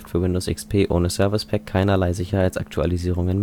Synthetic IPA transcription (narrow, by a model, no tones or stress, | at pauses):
ftfyːɐwɪndoːsʔɪ̰kspʰeːʔoːnəsœɐvɪspʰɛkʰːaɪnɐlaɪzɪçɐhaɪtt͡sʔa̰ktʰua̰liziːʁ̞ʊŋənm